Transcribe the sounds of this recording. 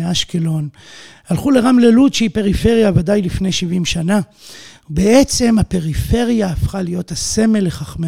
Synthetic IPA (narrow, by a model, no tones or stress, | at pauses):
aʃkelo̞nhalχule̞ʁamleludʃeipe̞ʁife̞ʁjavadajlifnejʃivimʃana | beet͡se̞mape̞ʁife̞ʁjaːfχalijo̞thase̞me̞leχaχme